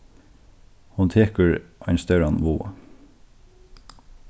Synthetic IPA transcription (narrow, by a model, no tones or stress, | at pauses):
hʊnt̪ʰeːkəɹʔæɪnst̪œɾɑnʋoːɑ̰